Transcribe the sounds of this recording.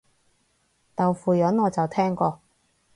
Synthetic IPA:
t̪ɐ˨wfuː˨jɐ˨˥nŋɔː˨˧t͡sɐ˨wt̪ʰɛː˥ŋkɔː˧

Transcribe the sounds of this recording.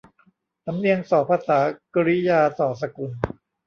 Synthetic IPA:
t̪a˨˩˦mni˧əŋsɔː˨˩˦pʰaː˧saː˩˦kɾi˦˥jaː˧sɔː˩s̬a˧ku˧n

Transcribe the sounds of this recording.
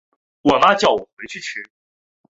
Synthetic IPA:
wɔ˨˩na˥t͡ɕjɑ˨˩ʊ˨˩xwe˧˥ɪt͡ɕʰy˥˩t͡ɕ̩ʰ˧˥

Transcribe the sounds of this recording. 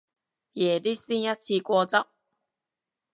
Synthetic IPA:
je˨˩di˦sĩ˦a˦t͡ɕʰi˧kwɔ˧t͡sa˦ʔ

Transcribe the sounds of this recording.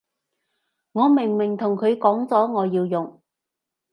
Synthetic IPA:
ŋɔː˨˧mɪ˨˩ŋmɪ˨˩ŋt̪ʰʊ˨˩ŋkʰɵ˨˧ɥkɔː˨˥ŋt͡sɔː˨˥ŋɔː˨˧jiː˧wjʊ˨˩ŋ

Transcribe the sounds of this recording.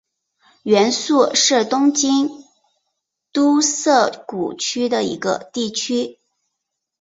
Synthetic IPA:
ɥɛ˧˥nsu˥˧ʂɻ̩˥˩t̪ʊ˥ŋt͡ɕi˥n | t̪u˥sɤ˥˩ku˨˩t͡ɕʰy˥d̪ə˨ḭ˧˥ɡə̰˧t̪i˥˩t͡ɕʰy˥

